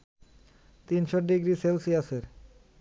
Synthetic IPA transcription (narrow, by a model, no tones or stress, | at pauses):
t̪inʃoɖiɡɾiselsiaseɾ